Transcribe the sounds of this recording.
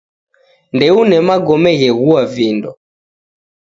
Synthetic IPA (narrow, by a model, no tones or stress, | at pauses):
ndɛunɛmaɡɔmɛɣɛɣuavindɔ